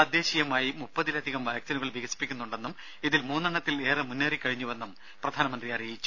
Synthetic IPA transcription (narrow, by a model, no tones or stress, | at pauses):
ɐd̪jeːɕijɐmaːjimupːɐðilɐd̪ʱiɣɐmʋɐjk̚t͡ɕɐnuɣɐɭʋiɣɐsi̥pːikʲːunːuɳɖe̞nːum | iðilmuːnːɐɳɐt̪ːile̞ːrɨmunːaːrikʲːɐɻiɲːuʋe̞nːum | prɐd̪ʱaːnɐmɐnd̪riɐrijit͡ɕːu̥